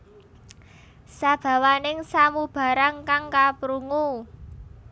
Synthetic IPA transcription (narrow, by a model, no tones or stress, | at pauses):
sab̥ä̤wanɪŋsamub̥a̤ɾaŋkaŋkapɾuŋu